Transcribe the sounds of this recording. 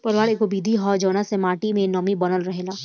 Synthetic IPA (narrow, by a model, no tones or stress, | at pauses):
pɐɾʋaːɽekobiːd̪ʱiɦɔːd͡ʒɔːnasemaːʈimẽnɔːmibɐnəlɾɐɦelaː